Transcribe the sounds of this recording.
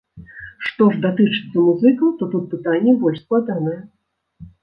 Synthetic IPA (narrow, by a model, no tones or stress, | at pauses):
ʂt̪ɔʐd̪at̪ɨt͡ʂɨ̥t̪sːɐmuzɨkɐt̪ɔt̪ut̪̚pɨt̪anʲːɛbɔlʲʂsklˠad̪anɐjɛ